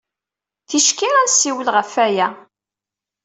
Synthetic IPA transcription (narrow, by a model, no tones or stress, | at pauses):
θiʃkiæɾsiwəlʁəfːæjæ